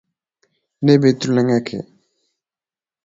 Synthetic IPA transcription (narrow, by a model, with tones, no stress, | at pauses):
ne˦be˨t̪ɾu˦le˨ŋa˦kʰḛ˨